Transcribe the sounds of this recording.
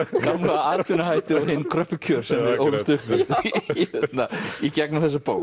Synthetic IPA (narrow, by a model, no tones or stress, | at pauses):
kamlaaːðt̪ʰfinaɦajht̪ɪɔhɪnːkʰɾœhpːʏcʰœɾ̥sɛmɛɾoːwvɪst̪ʏhpvɪðhɛɛt̪naicɛknawθɛsːapoːw